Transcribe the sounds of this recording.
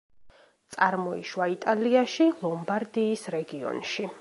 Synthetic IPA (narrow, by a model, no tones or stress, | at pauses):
t̪sʼaɾmɔḭʃwait̪ʼaliaʃilˠɔmbaɾd̪iːsɾɛɡiɔ̰nʃi